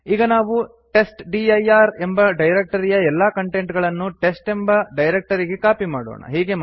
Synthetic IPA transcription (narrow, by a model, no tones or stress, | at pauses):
iːɡɐnaːʋu | ʈe̞sʈɖiɐjaːɾe̞mbɐɖɐjɾek̚ʈɐɾijɐɛlːaːkɐɳʈeɳʈɡɐɭɐnːuʈe̞sʈembɐɖɐjɾek̚ʈɐɾiɡekaːpimaːɽo̰ːɳɐ̰ɦiːɡe̞m